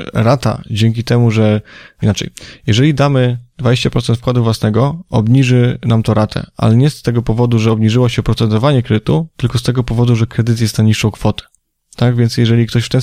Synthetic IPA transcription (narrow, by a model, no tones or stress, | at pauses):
ɾat̪a̰d͡ʑeŋk̬ʲit̪ɛmuʐɛinat͡ʂɛ̰jjɛʐɛlʲid̪amɘd̪vad͡ʑeɕt͡ɕapɾɔt̪sɛnt̪fkwad̪uvwasnɛɡɔɔbɲiʐɘnamt̪ɔɾat̪ʰɛ̰a̰lɛɲɛst̪ɛɡɔpɔvɔd̪uʐɛɔbɲiʐɘwɔɕɛpɾɔt̪sɛd̪ɔvaɲɛkɾɛd̪ɘt̪ut̪ɘlkɔst̪ɛɡɔpɔvɔd̪uʐɛkɾɛd̪ɘt̪̬jɛst̪naɲiʂːɔ̃w̃kfɔt̪ɛ̥ | t̪aɡvʲjɛnt̪sʲjɛʐɛlʲik̚t̪ɔɕft̪ɛ